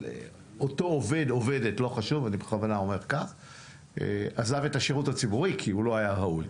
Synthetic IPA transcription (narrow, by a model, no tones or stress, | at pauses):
e | oto̞ove̞d̪o̞vedetlo̞χaʃuvanibeχavanao̞me̞ʁkaχ | ḛazave̞taʃeʁutat͡sibuʁikʰiulo̞ajahaul